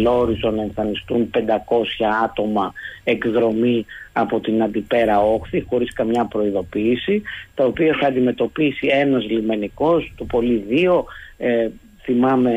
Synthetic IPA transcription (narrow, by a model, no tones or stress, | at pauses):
lo̞ɾizonɐeɱfɐnist̪unpe̞nd̪ɐko̞sçɐɐt̪o̞mɐe̞kðɾo̞miɐpo̞t̪inɐnd̪ipe̞ɾɐo̞xθixo̞ɾiskɐmɲɐpɾo̞iðo̞piːsit̪ɐo̞piɐθɐnd̪ime̞t̪o̞pisie̞nɐzlime̞niko̞st̪opo̞liðio̞ | θimɐme̞